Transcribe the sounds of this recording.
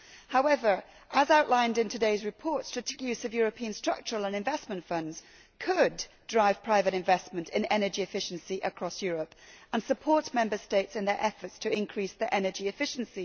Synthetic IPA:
haʊɛvə˞ʔəzaʊʔlãɪ̃ndɨ̃ntʰɨdeɪzɹɨpʰɔɹtstʰɨtʰekjʉzʌvjɔɹɨpʰiɨ̃nstɹ̥ʌ̰k̚t͡ʃə˞əl̩ˠə̃nɨ̃ɱvɛsmə̃ntfʌ̃ndz̥ | kʰɨddɹaɪv̥pʰɹ̥aɪvɨɾɨ̃ɱvɛsmɨ̃ntʰɨ̃nɛnə˞d͡ʒiɨfɪʃn̩siʔəkʰɹ̥ɔsjɔɹəpə̃nsəpʰɔɹtmɛ̃mbə˞steɪtsɨ̃nðə˞ʔɛfə˞tstʰɨɪ̃nkʰɹ̥isðiʔɛnə˞d͡ʒiɨfɪʃn̩si

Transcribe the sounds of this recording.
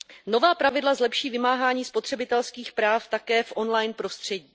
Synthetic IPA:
no̞vaːpɾavɪdlazlɛpʃiːvɪmaːɦaːɲiːspo̞t̪r̝̥ɛbɪt̪ɛlskiːxpɾaːft̪akɛːfʔo̞nlajnpɾo̞st̪r̝̥ɛɟiː

